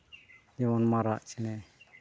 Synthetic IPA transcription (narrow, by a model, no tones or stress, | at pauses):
d͡ʒɛwɔnmaɾaʔt͡ʃɛnɛ